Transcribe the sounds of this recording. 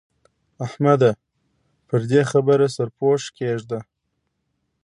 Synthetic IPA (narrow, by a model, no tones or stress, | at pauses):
ahmad̪a | pəɾd̪exabəɾasaɾpoʃkeʒd̪a